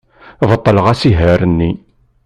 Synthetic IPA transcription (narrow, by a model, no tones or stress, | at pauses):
vət̪ˤːələʁæsiɦæɾənːi